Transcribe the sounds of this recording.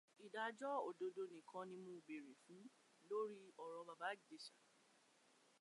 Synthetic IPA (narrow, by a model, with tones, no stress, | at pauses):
i˨da˨d͡ʒɔ˦o˨do˧do˧nĩ˨kʰã˧nĩ˧mũ˦˨be˨ɾe˨fũ˨˦ | lo˦ɾi˦ɔ˨ɾɔ̃˧ba˧ba˦ɡde˨ʃa˨